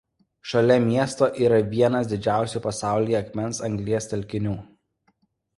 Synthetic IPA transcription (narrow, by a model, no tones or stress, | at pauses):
ʃɐlʲɛmʲiɛst̪oːʔiːɾɐʋʲiɛnɐsd̪ʲɪd͡ʒʲæˑʊsʲuːˑpɐsɑˑʊlʲijɛɐkmʲɛnˑsɐŋʲɡlʲiɛst̪ʲɛlʲkʲɪnʲuː